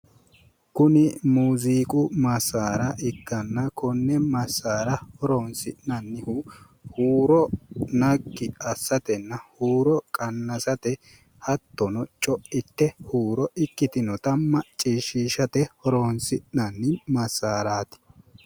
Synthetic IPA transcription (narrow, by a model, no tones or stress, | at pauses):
kʊnɪmuːziːkʼʊmɐsaːɾɐʔɪkːɐnːɐkɔnːɛmɐsːaːɾɐhɔɾoːnsɪʔnɐnːɪhʊ | huːɾɔnɐkːɪɐsːɐt̪ɛnːɐhuːɾɔkʼɐnːɐsɐt̪ɛ | hɐt̪ːɔnɔt͡ʃʼɔɪt̪ːɛhuːɾɔɪkːɪt̪ɪnɔt̪ɐmːɐt͡ʃʼiːʃiːʃɐt̪ɛhɔɾonsɪʔnɐnːɪmɐsːaːɾaːt̪ɪ̥